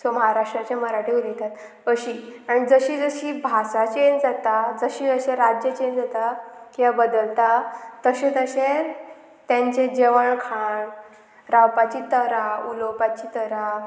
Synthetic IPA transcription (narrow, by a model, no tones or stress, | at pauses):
soməɦaɾaʂʈɾat͡ɕeməɾaʈiulet̪at̪ | əɕiːaɽ̃id͡zəɕiːd͡zəɕiːbʱasat͡ɕend͡zat̪ad͡zəɕiːəɕẽɾad͡ʑjət͡ɕend͡zat̪akiabəd̪əlt̪at̪əɕẽt̪əɕe | t̪jãɲt͡ɕed͡ʑeʋəɳkʰaɳ | ɾawpat͡ɕiːt̪əɾaulopat͡ɕiːt̪əɾa